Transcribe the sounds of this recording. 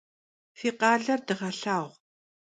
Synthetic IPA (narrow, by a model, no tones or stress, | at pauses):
fiːqɑːɮɐrdɨʁɐɬaːʁʷ